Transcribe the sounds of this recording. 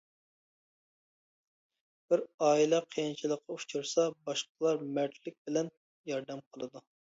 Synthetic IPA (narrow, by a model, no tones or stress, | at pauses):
b̥ɪɾɑːilɛqʰejint͡ʃʰilˠəqʰːɑut͡ʃʰuɾsɑbɑʃqəlˠɑɾmɛɾt̪ʰlɪk̚ʲbɪlɛn | jɑɾd̪ɛmqʰəlˠɨd̪u